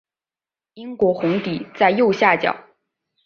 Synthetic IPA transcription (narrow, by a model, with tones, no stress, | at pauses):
i˥ŋkwɔ˧˥xʊ˧˥ŋt̪i˨˩t͡sa˥˧ɪjo˥˧ʊɕja˥˩t͡ɕjɑ̰˨˩˦ʊ